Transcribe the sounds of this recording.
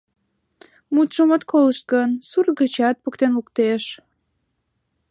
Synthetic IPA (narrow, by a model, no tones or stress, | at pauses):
mut̪ʃəmət̪koləʃt̪̚ɡənsurt̪̚ɡət͡ɕɑt̪̚poəkt̪enukt̪eʃ